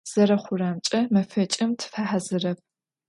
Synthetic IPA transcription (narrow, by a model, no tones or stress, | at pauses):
z̥ɐɾɐχʷʊraːmt͡ʃʼɐmɐfɐt͡ʃʼɪmtʰfaħazɨrɐp̚ʰ